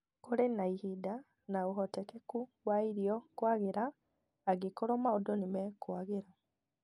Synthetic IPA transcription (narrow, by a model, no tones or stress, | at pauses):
koɾenaihida | naoɦɔtɛkɛkuwaiɾiɔkwaɣeɾaː | ɡekɔɾɔmaodɔnimɛkwaɣeɾa